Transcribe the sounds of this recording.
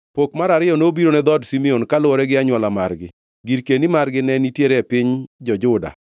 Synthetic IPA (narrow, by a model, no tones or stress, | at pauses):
pokmaɾaɾɪɔnoobiɾonɛd̪ɔdsimiɔnkalʊɔɾɛɡɪaɲwalamaɾɡɪ | ɡiɾkenimarɡɪnɛnitjeɾɛpɪɲd͡ʒɔd͡ʒʊda̰